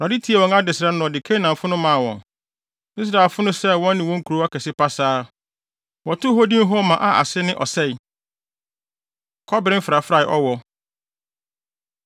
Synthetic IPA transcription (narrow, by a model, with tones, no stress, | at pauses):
a˨di˦tʰi˨˦ɛ˨wɔ̃˨ŋa˦dɪ˨sɪ˨ɾa˦nʊ̃˨ɔ˨dɪ˨kʰe˦nã˨m˨fʊ˦nʊ̃˦mã˨wɔ̰̃˨n | i˦s̬ɾa˨ɛ˨lfʊ˦nʊ̃˦sɛ˦wɔ̃˦nːɪ̃˨wɔ̃˦ŋ̩˦kʰu˨ɾo˦a˦kʰɛ˨sɪ˦pa˦saː˦ | wɔ˨tʊ˦ɦo˦dĩ˦ɦɔ˦mã˨ʔa˨ʔa̰˨sɪ˦nɪ̃˦ʔɔ˨sɛ˦˨i˨ | kʰɔ˦bɪ˨ɾɪ̃˦m̩˦fɾa˨fɾa˦˨ʔɔ˦wɔ˨